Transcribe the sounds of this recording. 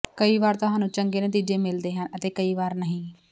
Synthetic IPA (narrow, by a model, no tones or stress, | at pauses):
kəiːʋaːɾt̪ʊɦãːnũːt͡ʃəŋɡeːnət̪iːd͡ʒeːmɪld̪eːɦənət̪eːkəiːʋaːɾnəɦĩː